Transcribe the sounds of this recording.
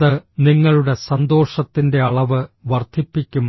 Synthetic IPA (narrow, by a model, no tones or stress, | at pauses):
ɨniŋːɐɭuɽe̞sɐnd̪o̞ːʂɐt̪ːinde̞ɐɭɐʋɨʋɐrd̪ʰʱipːikʲːumː